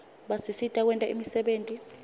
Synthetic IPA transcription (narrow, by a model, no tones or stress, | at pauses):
ɓasisitʼak̬wɛntʼaḭmisɛɓeːntʼi